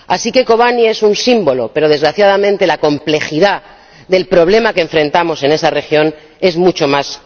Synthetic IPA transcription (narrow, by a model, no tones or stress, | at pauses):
asike̞ko̞βanie̞sunsimbo̞lo̞pe̞ɾo̞ð̞e̞zɣɾaθjað̞amẽ̞nt̪e̞lako̞mple̞xiða | ðe̞lpɾo̞β̞le̞makeɱfɾẽ̞nt̪amo̞se̞ne̞sare̞xjo̞n | e̞zmut͡ʃo̞mas